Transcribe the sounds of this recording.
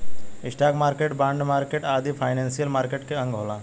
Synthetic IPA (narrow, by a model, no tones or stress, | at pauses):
ɪsʈaːkmaːɾkeːʈbãːɳɖmaːɾkeːʈaːd̪ipʰaːɪnẽːnsijəlmaːɾkeːʈkeə̃ŋɡɦoːlãː